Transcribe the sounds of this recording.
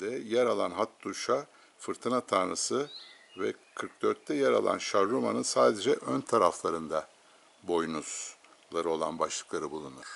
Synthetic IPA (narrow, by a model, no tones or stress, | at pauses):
d̪ɛjɛɾalˠanɦat̪ːuʃa | fɯɾt̪ʰɯnat̪ʰanasɯ | vɛ̰kʰɯɾk̚d̪øɾt̪ʰːɛjɛɾa̰lˠa̰nʃaɾːuma̰nɯnsaːd̪e̞d͡ʒɛʔønt̪ʰaɾaflˠaɾɯnd̪a | bo̞jnuz̥ | lˠaɾɯo̞lˠa̰nbaʃlˠɯklˠaɾɯbulˠunuɾ̥